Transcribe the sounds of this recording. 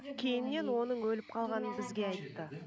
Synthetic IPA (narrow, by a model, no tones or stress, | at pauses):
kʲʰe̞jɪnːe̞nwo̞nəɴwɵlɪp̚qʰɑlˠʁɑnənbɪzɡʲe̞ɑjt̪ːə